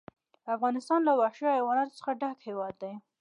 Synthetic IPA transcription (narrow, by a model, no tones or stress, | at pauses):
afɣɑnɪst̪ɑnlawaʃɑjawɑnɑt̪o̥t͡sə̥xaɖakhewɑd̪ːaj